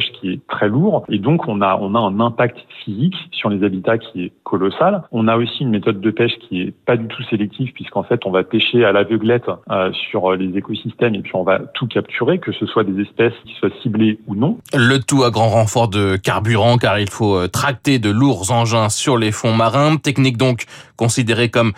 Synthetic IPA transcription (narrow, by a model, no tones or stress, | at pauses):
ʃkʲiɛt̪χɛluːʁed̪ɔ̃kʰɔ̃naɔ̃naɛ̃nɛ̃pak̚t̪fiziksyʁlezabit̪akʲʰiɛkʰɔlɔsalɔ̃naosiynmet̪ɔd̪ːəpɛʃkʲʰiɛpad̪yt̪ʰuselɛk̚t̪ʰivpɥiskɑ̃fɛt̪ɔ̃vapeʃealavəɡlɛt̪øsyʁlezekɔsist̪ɛmepɥiɔ̃vat̪ʰukʲapt̪ʰyʁekəsəswad̪ezɛspɛskʲi̥swasibleunɔ̃lət̪uaɡʁɑ̃ʁɑ̃fɔʁd̪əkʲaʁbyʁɑ̃kaʁilfoøt̪χak̚t̪ed̪əluʁzɑ̃ʒɛ̃syʁlefɔ̃maʁɛ̃t̪ɛknik̚d̪ɔ̃kkːɔ̃sid̪eʁekɔm